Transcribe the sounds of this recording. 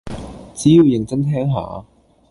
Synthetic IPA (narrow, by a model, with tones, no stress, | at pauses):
t͡siː˨˥jiː˨˧wjɪ˨ŋt͡sɐ˥nt̪ʰɛː˥ŋɦa̰ː˨˧˥